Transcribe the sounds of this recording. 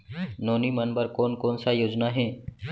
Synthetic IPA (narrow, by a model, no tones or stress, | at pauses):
noːnimənbəɾkoːnkoːnsajoːd͡ʒnaɦɛ̃ː